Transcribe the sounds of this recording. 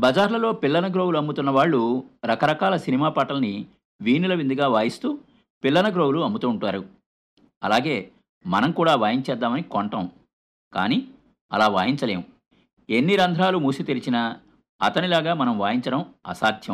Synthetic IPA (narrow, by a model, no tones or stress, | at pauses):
bɐd͡ʒaːɾlɐlo̞ːpilːɐnɐɡɾo̞ːwuluɐmːut̪unːɐʋaːɭːuɾɐkɐɾɐkaːlɐsinimaːpaːʈɐlɐni | ʋiːnulɐʋind̪iɡaːʋaːjist̪uː | pilːɐnɐɡɾo̞ːɡuluɐmːbut̪uːɳʈaːɾu | ɐ̰laːɡe̞ː | mɐnɐmkuːɽaːʋaːjiɲt͡ʃɛːd̪ːaːmɐnikɔɳʈɐ̃m | ka̰ːniː | ɐ̰laːʋa̰ːjiɲt͡ʃɐle̞ːmu | enːiɾɐnd̪ʱɾaːlumuːsut̪iɾit͡ʃinɐ | ɐ̰t̪ɐnilaːɡaːmɐnɐmʋaːjiɲt͡ʃɐɽɐmɐ̰saːt̪ʰjɐm